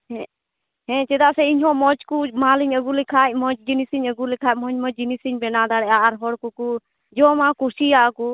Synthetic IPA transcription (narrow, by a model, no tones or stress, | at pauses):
ɛ | ɦɛ̃t͡ʃɛd̪asɛiɲɦɔ̃mɔt͡ʃkumaliɲəɡulikʰajmɔt͡ʃd͡ʒinisiɲəɡulikʰajmɔɲmɔd͡ʒinisiɲbɛnad̪aɽɛaɾɦɔɽkuku | d͡ʒɔmãkusijaku